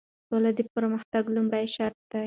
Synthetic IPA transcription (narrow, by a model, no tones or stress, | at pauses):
olad̪əpəɾməxt̪aɡlumɽajʃaɾt̪̚d̪̥a